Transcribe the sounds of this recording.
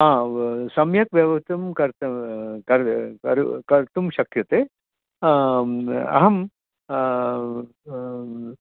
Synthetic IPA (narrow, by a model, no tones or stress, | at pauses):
ɦãːsɐmjɐk̚ʋjɐʋɐɦt̪ɐmkɐɾt̪ɐkɐɾkɐɾukɐɾt̪umʃɐkjɐt̪e | ɐ̰ɦɐm